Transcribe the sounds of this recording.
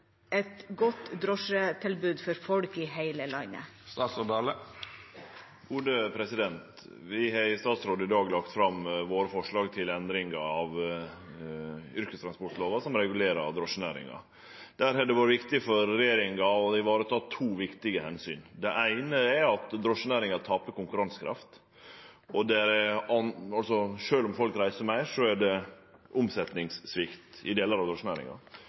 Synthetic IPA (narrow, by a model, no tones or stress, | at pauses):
ʔɛt̪ɡɔt̪ːd̪ɾɔʂət̪ʰɪlbʉːd̪fɔɾfɔlkɪɦæɪləlɑɪnə̰ | st̪ɑːt̪sɔd̪ɑːlə | ɡ̥uːd̪əpʰɾɛsɪd̪ɛnt̪ | ʋɪɦɑɪst̪ɑːt̪sɾoːd̪əɪd̪ɑːɡlɑkt̪fɾɑmʋoːɾəfɔʂɭɑːɡt̪ʰɪlɛnd̪ɾɪŋɑɑʋ | ʏɾkəst̪ʰɾɑnspɔʈloːʋɑsɔmɾɛɡʉleːɾɑ̰ɾd̪ɾɔʂːənæ̰ːɾɪ̰ŋɑ̰ | d̪̥æɾhɛd̪ɛʋɑːɾəʋɪkt̪ɪfɔɾːɛjeːɾɪŋɑɔd̪ɪʋɑːɾət̪ʰɑːt̪ʰuːʋɪkt̪ɪɡəhɛnsyːnd̪ɛʔæɪnəɛɾɑt̪d̪ɾɔʂːənæːɾɪŋɑt̪ʰɑːpəkʊŋkʉɾɑnskʰɾɑ̰ft̪ | ɔd̪ɛɾɛɑnɑlsɔʂøːlɔmfɔlkɾæɪsəmæɪʂɔæɖɛ | ʔʊmsɛt̪nɪŋsːʋɪkt̪ɪd̪eːləɾɑʋd̪ɾɔʂənæɾɪ̰ŋɑ̰